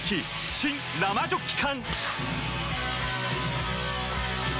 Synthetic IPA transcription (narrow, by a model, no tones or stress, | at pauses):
kʰi | ɕʰin | lamad͡ʑokʰːi̥kʰan